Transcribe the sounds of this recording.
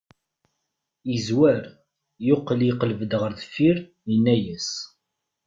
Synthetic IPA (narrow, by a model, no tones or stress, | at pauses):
izwæɾ | jʊqːəliqləvəd̪ʁəɾðəfiɾ | ənːæjæs